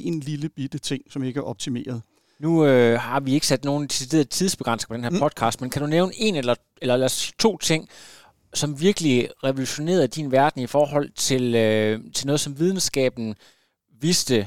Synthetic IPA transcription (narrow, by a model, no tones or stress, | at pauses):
e̝nliləb̥id̥ət͡sʰe̝ŋ̰sɒ̽me̝ɡ̥əæɐɒ̽b̥̚t͡sʰime̝̰ːɐð̞̩ˠ | nuøhɑ̈ʋie̝ɡ̥əsæd̥no̝ːn̩d̥isid̥e̝̰ːɐð̩ˠt͡sʰið̞ˠsb̥e̝ɡ̥ʁɑns̩̚pʰɒ̽d̥enheɐpɒ̽d̥̚kʰɑ̈ːsd̥menkʰæd̥uneʊnʔe̝nelɐ | elɐlæsit͡sʰo̝̰ːt͡sʰe̝ŋ̰ | sɒ̽mʋiɐɡ̥əliʁɛʋo̝luɕo̝ne̝̰ːɐð̩ˠd̥inʋæɐd̥n̩ifɒːɦɒ̽l̰t͡sʰe̝lt͡sʰe̝lnɔːð̩ˠsɒ̽mʋið̞ˠn̩sɡ̥ɛ̰ːb̥n̩ | ʋisd̥ə